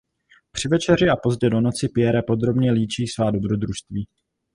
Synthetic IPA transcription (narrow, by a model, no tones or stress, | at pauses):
pr̥ɪvɛt͡ʃɛr̝ɪʔapo̞zɟɛdo̞no̞t͡sɪpɪjɛɾɛpo̞d̪ɾo̞bɲɛliːt͡ʃiːsvaːdo̞bɾo̞d̪ɾuʃst̪viː